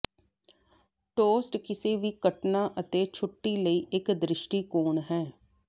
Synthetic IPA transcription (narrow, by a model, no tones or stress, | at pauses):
ʈoːsʈkɪseːʋiːkəʈnaːʔət̪eːt͡ʃʰʊʈːiːləiːʔɪkd̪ɾɪʃʈiːkoːnɦɛː